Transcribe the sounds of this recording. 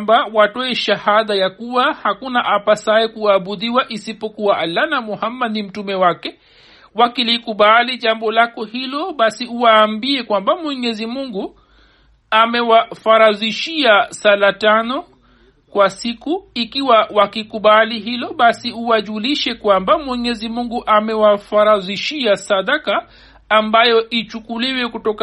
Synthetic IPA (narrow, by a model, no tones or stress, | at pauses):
mbawatɔɛʃahaðajakuwahakunaʔapasaɛkuaːɓuðiwaʔisipɔkuaʔalːanamɔhamːadnim̩tumɛwakɛ | wakilikuɓaliʄambɔlakɔhilɔɓasiuwaːmbiɛkwambamwɛɲɛzimuŋɡu | amɛwafaɾaziʃiasalatanɔ | kwasikuikiwawakikuɓaliɦilɔɓasiuwaʄuliʃɛkwambamwɛɲɛzimuŋɡuʔamɛwafaɾaziʃiasadakaː | mbajɔʔit͡ʃukuliwɛkutɔk